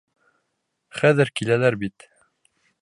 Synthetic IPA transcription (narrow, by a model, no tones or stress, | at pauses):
χæðɘɾkilælæɾbit̪